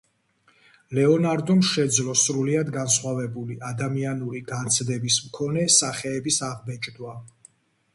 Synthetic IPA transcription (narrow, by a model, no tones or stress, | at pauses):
lɛɔnaɾd̪ɔmʃɛd̪zlɔsɾuliad̪ɡansχwavɛbuliʔad̪amianuɾiɡant̪sʰd̪ɛbismkʰɔnɛsaχɛːbisaʁbɛt͡ʃʼd̪wa